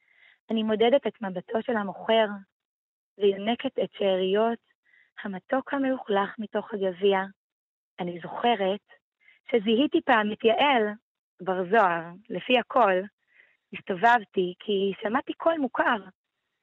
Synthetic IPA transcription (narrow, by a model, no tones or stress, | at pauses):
ʔanimo̞dedetetmabatʰo̞ʃelhamo̞χe̞ʁ | veilne̞ketetʃeaʁijo̞t | hamato̞khameuχlaχmito̞χhaɡavia | anizo̞χe̞ʁe̞t | ʃeziɦitipaːmitjaʔe̞l | baʁzoaʁlefihakʰo̞l | istovavtikʰiʃamatikʰo̞lmukʰaʁ